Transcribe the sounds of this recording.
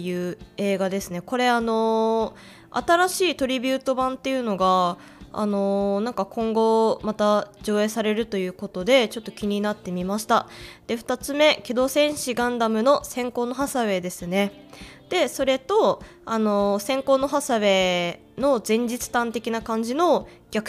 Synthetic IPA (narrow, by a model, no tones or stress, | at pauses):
jɯ̟ːe̞ːɡad̪e̞sɨne̞ko̞ɾe̞ano̞ | a̰t̪aɾaɕiːt̪o̞ɾʲibʲɨːt̪o̞bãnt̪ːe̞jɯ̟no̞ɡa | a̰no̞nãŋkakõ̞ŋɡo̞mat̪ad͡ʑo̞ːe̞ːsaɾe̞ɾɯ̟t̪o̞jɯ̟ːko̞t̪o̞d̪e̞t͡ɕo̞t̪ːokʲiɲ̟inat̪ːe̞mʲimaɕi̥t̪ad̪̥e̞ɸɯ̥t̪at͡sɨme̞kʲed̪o̞ːsẽ̞ɰ̃ɕiɡãnd̪amɯ̟no̞sẽ̞ŋko̞ːno̞ɦasaβe̞d̪e̞sɨne̞ | d̪̥e̞so̞ɾe̞t̪o̞ano̞sẽ̞ŋko̞ːno̞ɦasaβe̞ | no̞zẽ̞ɲ̟d͡ʑit͡sɨ̥t̪ãnt̪e̞kʲinakãɲ̟d͡ʑino̞ | ɡʲakɯ̟̥